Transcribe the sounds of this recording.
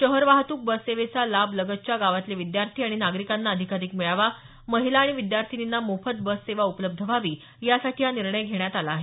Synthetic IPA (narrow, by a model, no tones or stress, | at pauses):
ɕəɦəɾʋaɦt̪uːk̚bəsːeʋet͡salabʱləɡət̪̚t͡ɕjaɡaʋat̪leʋid̪jaɾt̪ʰiːaɽ̃inaɡɾikanːaəd̪ʱikaɾiːkmiɭaʋa | məɦilaːɽ̃iʋid̪jaɾt̪ʰininːamofət̪̚bəsːeʋaupələb̚d̪ʱəʋaʋiː | jasaʈʰiːjaniɾɳəjɡʱeɳjat̪alaːɦe